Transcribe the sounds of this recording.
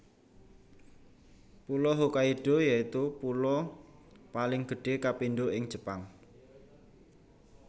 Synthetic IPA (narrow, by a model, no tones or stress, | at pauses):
pulɔɦokaiɖ̥o̤jait̪upulɔ | palɪŋɡ̥ə̤ɖ̥e̤kapinɖoʔɪŋd͡ʒ̥ə̤paŋ